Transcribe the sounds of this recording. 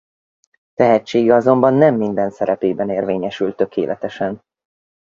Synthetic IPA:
t̪ɛɦɛt͡ʃːeːɡɛɒzo̞mbɒnːɛmːind̪ɛnsɛɾɛpeːbɛneːrveːɲɛʃylt̪ːø̞kʰḛːlʔɛt̪ɛʃɛn

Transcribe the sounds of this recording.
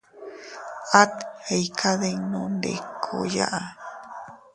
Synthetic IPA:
at̪hejkʰaðenõnd̪ḛkʰo̰ja̰ʔa

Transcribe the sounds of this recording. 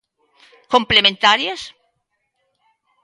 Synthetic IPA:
komplemẽnt̪aɾjas

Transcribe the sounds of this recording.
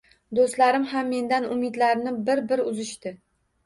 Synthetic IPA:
d̪ost̪laɾɪmɦamːe̞nd̪anʊmɪd̪laɾnɪbɪɾbɪɾʊzɪʃt̪ɪ

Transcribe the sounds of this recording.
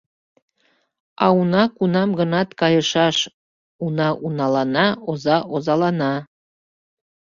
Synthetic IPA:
ɑ̰unɑkunɑmɡənɑt̪kɑjəʃɑʃ | unɑʔunɑlɑnɑozɑʔozɑlˠɑnɑ

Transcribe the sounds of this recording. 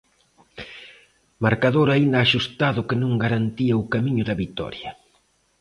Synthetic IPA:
maɾkaðoɾaind̪aːʃust̪aðʊkɪnõŋɡaɾant̪iaʊkamiɲʊðɐβit̪ɔ̰ɾjɐ

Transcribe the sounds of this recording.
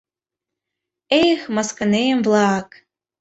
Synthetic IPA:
ejxmɑskɤ̆nejəmvlˠɑk

